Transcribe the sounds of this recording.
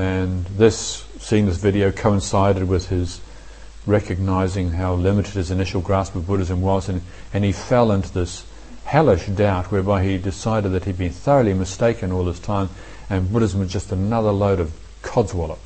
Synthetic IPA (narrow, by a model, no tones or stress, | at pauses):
ɨ̃nðɪsː | iɪ̃ŋðɪsvɪɾioʊkʰoʊə̃nsaɪɾɨd̚wɪð̥ɪz | ɹɛkɨɡ̚naɪzɪ̃ŋɦaʊlɪ̃mɨɾɨd̚ɨzɨnɪʃl̩ˠɡɹæspʌvbʊɾɨzɨ̃mwʌzɨ̃n | ɨ̃nifɛlˠɪ̃ntʉðɪs | hælˠɨʃd̥aʊt̚wə˞baɪidɨsaɪɾɨd̪̚ðɨt̚hid̚bɨ̃nθɜ˞l̩ˠimɨsteɪkɨ̃nɔlˠɨz̥tʰãɪ̃m | ɨ̃nbʊɾɨz̃m̩ʌzd͡ʒʌstənʌðə˞loʊɾʌv̥ | kʰɑdzwɛlˠəp̚